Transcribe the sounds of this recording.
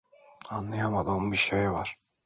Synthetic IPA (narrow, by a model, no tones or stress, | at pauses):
anlːˠajamad̪ɯmbiʃejvaɾ̥